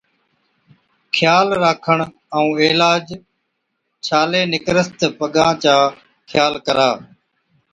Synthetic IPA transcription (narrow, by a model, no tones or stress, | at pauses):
kʰjaːlɾaːkʰəɳ | əũːeːlaːd͡ʒ | t͡ʃʰaːleːnɪkɾəst̪pəɠãːt͡ʃaː | kʰjaːlkəɾaː